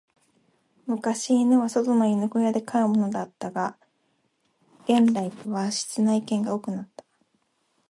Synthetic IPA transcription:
mɯ̟kaɕiːnoβaso̞t̪o̞noinɯ̟kojad̪e̞kaɯ̟mo̞no̞d̪at̪ːaɡa | ɡ̥ẽ̞nɾait̪oβaɕi̥t͡sɨnaikẽ̞ŋɡaoːkɯ̟nat̪ːḁ

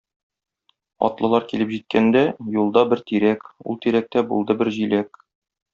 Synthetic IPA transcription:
ɒ̰t̪lˠɤ̆lˠɑɾkilɘpʑit̪̚kænd̪æjulˠd̪ɑbɘɾt̪iɾækṵlˠt̪iɾæk̚t̪æbulˠd̪ɤbɘɾʑilæk

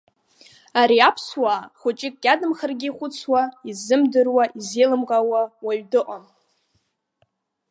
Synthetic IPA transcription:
aɾiapʰswaχʷʊt͡ʃʼɪkʼɡʲadɨmχərɡʲiːχʷʊt͡sʰwaizɨmdɨrwaʔizejlɨmqʼawawaɥdɨqʼam

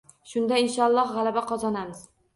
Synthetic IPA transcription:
ʃʊnd̪aɪnʃɒlˠːɒʁalabaqʰɒzɒnamɪz̥

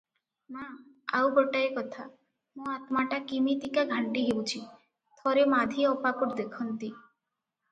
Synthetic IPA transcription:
mãa̰wboʈaekɔt̪ʰa | mũat̪maʈakimit̪ikaɡʱaɳʈiɦewt͡ʃʰi | t̪ʰɔɾemad̪ʱieɔpakuʈd̪ekʰɔnt̪i

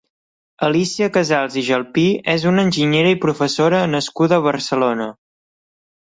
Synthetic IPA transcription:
əlisiəkəzalˠziʒəlˠpiɛzunənʲʒiɲeɾəipɾufəsoɾənəskuðəːβ̞əɾsəlonə

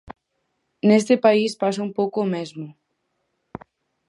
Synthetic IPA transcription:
nest̪ɪpaispasaumpowkoːmezmʊ

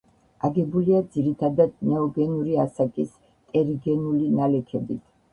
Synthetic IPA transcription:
aɡɛbuliad̪z̥iɾit̪ʰad̪ad̪̚nɛɔɡɛnuɾiasakʼis | t̪ʼɛɾiɡɛnulinalɛkʰɛbit̪ʰ

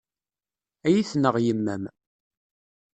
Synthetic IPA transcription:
æjiθnəʁjəmːæm

